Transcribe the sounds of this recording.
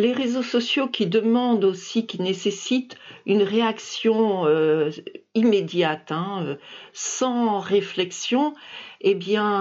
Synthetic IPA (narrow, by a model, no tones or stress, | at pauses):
leʁezosɔsjokʲid̪əmɑ̃d̪osikʲinesesit̪ynʁeaksjɔ̃ø | imed̪jat̪ɛ̃øsɑ̃ʁeflɛksjɔ̃ebjɛ̃